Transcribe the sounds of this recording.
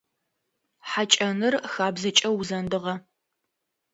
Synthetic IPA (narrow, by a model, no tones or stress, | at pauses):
ħat͡ʃʼɐnɨrxaːbzɨt͡ʃʼɐwzɐndɨʁɐ